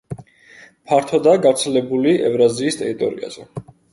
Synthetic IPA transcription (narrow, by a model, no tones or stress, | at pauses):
pʰaɾt̪ʰɔd̪aɡavɾt̪sʰɛlɛbuliɛvɾaziːst̪ʼɛ̰ɾit̪ʼɔɾḭa̰z̥ɛ